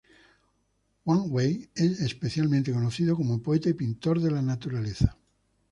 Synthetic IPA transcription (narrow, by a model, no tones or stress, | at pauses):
waŋwejesespeθjalmẽnt̪ekonoθiðokomopoet̪aipint̪oɾðelanat̪uɾaleθḁ